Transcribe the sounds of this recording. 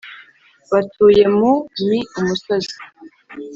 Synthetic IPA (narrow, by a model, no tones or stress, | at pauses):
βatʰuːje̞mumiumusozi̥